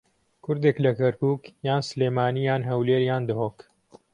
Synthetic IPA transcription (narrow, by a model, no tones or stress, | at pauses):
kʰʊɾd̪eklɐkɐɾkuːkjaːnsleːmaːniːjaːnɦɐwleːɾjaːnd̪ɐɦoːk